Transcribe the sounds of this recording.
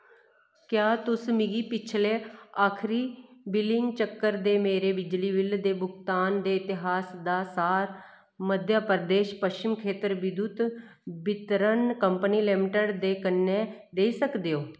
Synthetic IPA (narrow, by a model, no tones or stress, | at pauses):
kjaːt̪ʊsmɪɡiːpɪt͡ʃʰleːaːkʰɾiːbɪlɪŋɡt͡ʃəkːəɾd̪eːmeːɾeːbɪd͡ʒliːbɪld̪eːbʊɡt̪aːnd̪eːɪt̪ɪɦaːsd̪aːsaːɾ | məd̪ʱjaːpəɾd̪eːʃpəʃt͡ʃɪmkʰeːt̪əɾʋɪd̪ut̪ | bɪt̪ɾənkəmpəniːleːmɪʈəɖd̪eːkənːeːd̪eːisəkd̪eːoː